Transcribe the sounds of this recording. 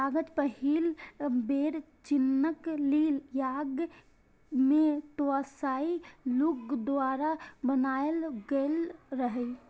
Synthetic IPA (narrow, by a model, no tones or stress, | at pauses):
aɡət̪pəɦilbeːɾ | t͡ʃɪnːəkliljaːɡ | mẽt̪oasailukd̪aːɾabənaːelɡəlɾəɦɛ